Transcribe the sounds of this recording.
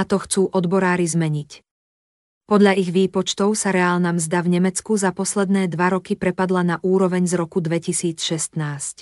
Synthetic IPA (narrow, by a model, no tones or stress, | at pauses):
at̪ɔxt͡suːʔɔd̪bɔɾaːɾizmɛɲic | pɔd̪ʎaiɣʋiːpɔt͡ʃt̪ɔʊsaɾɛaːlnamzd̪avɲɛmɛt͡skuzapɔslɛd̪nɛːd̪ʋaɾɔkipɾɛpad̪lanaʔuːɾɔʋɛɲzɾɔkud̪ʋɛcisiːt͡sʃɛst̪naːsc